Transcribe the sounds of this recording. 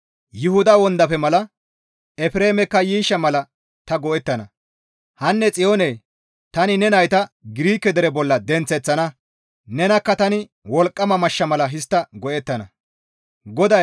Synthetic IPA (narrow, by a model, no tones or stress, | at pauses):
jʊhʊd̪ɐwɔnd̪ɐpɛmɐlɐ | ɛfɾeːmɛkːɐjiːʃːɐmɐlɐ | t̪ɐɡɔʔɛt̪ːɐnɐ | hɐnːɛt͡sʼɪjoːneː | t̪ɐnɪnɛnɐjt̪ɐɡɪɾiːkːɛd̪ɛɾɛbɔlːɐd̪ɛnt͡sːɛt͡sːɐnɐ | nɛnɐkːɐt̪ɐnɪ | wɔlkʼːɐmɐmɐʃːɐmɐlɐɦɪst̪ːɐɡɔʔɛt̪ːɐnɐ | ɡɔd̪ɐ